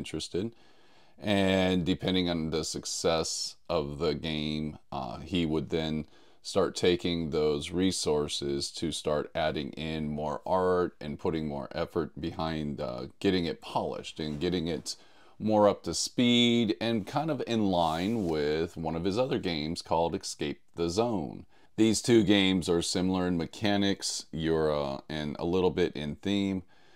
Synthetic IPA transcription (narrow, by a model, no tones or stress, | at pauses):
nt͡ʃɹ̥ɨstɨd | ʔɨ̃ndɨpʰɛ̃ndɪ̃ŋə̃nðɨsɨksɛsʔʌvðɨɡẽɪ̃miwəd̪̚ðɨ̃n | stɑɹtʰeɪkɪ̃ŋðoʊzɹisɔɹsɪz̥tʰɨstɑɹɾæɾɪ̰̃ŋʔɪ̃nmɔɹʔɑɹɾɨ̰̃npʰʊɾɪ̃ŋmɔ̰ɹʔɛfə˞t̚b̥ɨhãɪ̃ndɡ̥ɛɾɪ̃ŋɨt̚pʰɑlˠɪ̰ʃtɨ̃nɡɛɾɪ̃ŋɪt | mɔɹʌp̚tɨspiɾɨ̃nkʰãɪ̃ndʌvɪ̃nlãɪ̃nwɪðwʌ̃ñʌv̥ɨzʌðə˞ɡẽɪ̃mz̥kʰɔlˠdɨkskeɪp̚ðəzõʊ̃n | ðiz̥tʰʉɡẽɪ̃mzə˞sɪ̃ml̩ˠə˞ɨ̃nmɨkʰænɪksjə˞ɨ̃nə̰lɪɾl̩ˠbɪɾʔɪ̃nθĩm